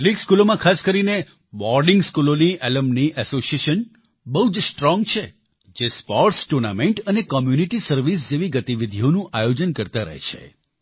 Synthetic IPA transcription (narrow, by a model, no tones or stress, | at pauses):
likskulomãkʰaskəɾine | bɔɾɖɪŋɡskuloniʔeləmniʔɛsosieʃən | bəɦud͡ʒsʈɾɔŋɡt͡ʃʰe | d͡ʒespɔɾʈsʈuɾnameɳʈənekɔmjuniʈisəɾʋis̬d͡ʒeʋiɡət̪iʋid̪ʱionũʔajod͡ʒənkəɾt̪aɾə̰ɦḛt͡ʃʰḛ